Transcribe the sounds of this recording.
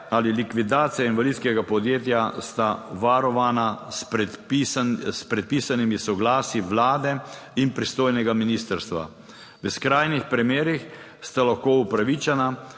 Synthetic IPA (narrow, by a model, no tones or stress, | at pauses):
alilikʋid̪aːt̪sijainʋalidt̪skɛɡapɔd̪jeːt̪jast̪aʋaɾɔʋaːnapɛisspɾɛt̪̚piːsanimisɔɡlaːsiʋlaːd̪ɛinpɾist̪oːjnɛɡaminiːst̪əɾst̪ʋa̰ | ʋəskɾaːjnixpɾimeːɾix | st̪alaxkoːupɾaʋit͡ʃɛna